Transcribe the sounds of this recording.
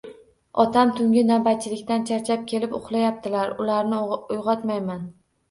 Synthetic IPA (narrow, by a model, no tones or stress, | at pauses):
ɒt̪ʰamt̪ʰʊŋɡʲɪnabat̪̚t͡ʃʰɪlɪkʲt̪ant͡ʃʰaɾt͡ʃʰap̚kʲʰe̞lɪpʊχlˠajap̚t̪ʰɪlaɾʊlaɾnɪʊjʁɒt̪majman